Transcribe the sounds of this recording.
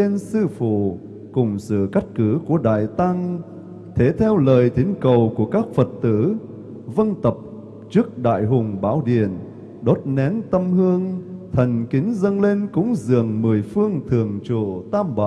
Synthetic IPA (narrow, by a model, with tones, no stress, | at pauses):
e˧nsɨ˧fṵ˧˨ | kʊ˨˩ŋ͡msɨ̰˧˨ka˦˥jk̟̚kɨ˨˧˦ku˧˩əɗa̰ː˧˨jt̪a˧ŋ | t̪ʰe˨˦t̪ʰɛ˧wləː˨˩jt̪ʰi˨˦ŋ̟kə˨˩wku˧˩əkaː˦˥k̚fə˨˩t̚t̪ɨ̰˧˥ | və˧nt̪ə˨˩p̚ | t͡ɕɨ˦˥ək̚ɗa̰ː˧˨jɦʊ˨˩ŋ͡mɓaː˧˥wɗḭ˧˨ən | ɗo˦˥t̚nɛ˨˦nt̪ə˧mhɨ˧əŋt̪ʰə˨˩ŋ̟kï˨˦ŋ̟zə˧nle˧nkʊ̰˧˥ŋ͡mzɨ̰˧˨əŋmɨ˨˩əjfɨ˧əŋt̪ʰɨ˨˩əŋt͡ɕṵ˧˨t̪aː˧mɓa̰ː˧˨